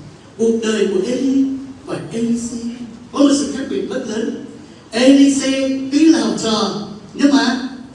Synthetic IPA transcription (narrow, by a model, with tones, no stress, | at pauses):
ɓu˨˩ək̚ɗəː˨˩jku˧˩əʔe˧li˧vaː˨˩ʔe˧li˧sɛ˧kɔ˨˦mo˨˩sɨ̰˧˨˩xaː˦˥ɓi˨˩ət̚zə˦˥t̚ləː˨˦n | ʔɛ˧li˧sɛ˧ki˨˦laː˨˩˨t͡ɕɔ˨˩ɲɨ˧maː˨˩